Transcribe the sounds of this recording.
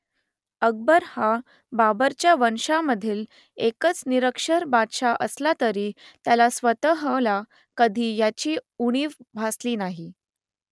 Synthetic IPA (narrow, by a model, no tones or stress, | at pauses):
əɡ̚bəɾha | babəɾt͡ɕjaʋənʂaməd̪ʱiːl | ekət͡sniɾəkʂəɾbadʂaʔəslat̪əɾiːt̪jalasʋət̪əɦəla | kəd̪ʱiːjat͡ɕiːuɽ̃iːʋbʱasliːnaɦi